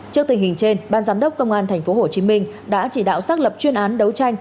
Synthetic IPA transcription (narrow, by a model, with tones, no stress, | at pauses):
t͡ɕɨ˦˥ək̚t̪ŋ̟hï˨˩ŋ̟t͡ɕe˧nɓaː˧nzaː˨˦mɗə˦˥wk͡p̚kːə˧wŋ͡mʔaː˧nt̪ʰɛ˨˩ŋ̟fo˨˦ho˧˨˩t͡ɕi˨˦mï˧ŋ̟ | ɗa̰ː˧˥t͡ɕi˧˩ɗa̰ː˧˨wsaː˦˥k̚lə˨˩p̚t͡ɕwi˧ənʔaː˨˦nɗə˨˦wt͡ɕa˧jŋ̟